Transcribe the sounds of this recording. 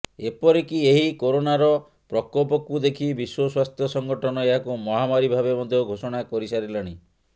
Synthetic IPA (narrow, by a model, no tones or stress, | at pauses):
epɔɾekieɦikoɾonaɾɔ | pɾɔkɔpɔkud̪ekʰibiswɔswast̪ʰjɔsɔŋɡɔʈʰɔnɔeɦakumɔɦamaɾibʱabemɔd̪ʱjoɡʱosɔɽ̃akɔɾisaɾilaɽ̃i